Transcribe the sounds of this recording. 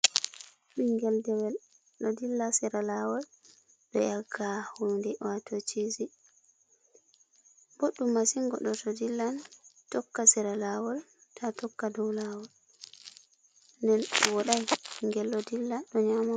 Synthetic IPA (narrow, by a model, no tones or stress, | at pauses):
ɓiŋɡɛldɛwɛl | ɗɔdilːasɛɾalawɔl | bɛ̰jaɡahundɛwatot͡ʃizi | boɗːumːasiŋɡɔɗɔtɔdilːantɔkːasɛɾalawɔltʰatɔkːadɔwlawɔl | ndɛnwɔɗajŋɡɛlːɔdilːaɗɔɲama